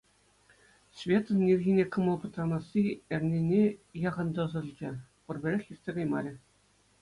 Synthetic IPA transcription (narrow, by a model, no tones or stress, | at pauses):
svʲet̪ɤ̆nːʲirʲɣʲinʲekɤ̆mɤ̆lˠpɤ̆t̪rɑnɑsʲːiɘ̆rʲnʲenʲejɑʁɤ̆nd̪ɤ̆zɤ̆lʲd͡ʑɘ̆ | pɤ̆rbʲĕɾʲexʲjirʲtʲsʲeɡɑjmɑɾʲɘ̆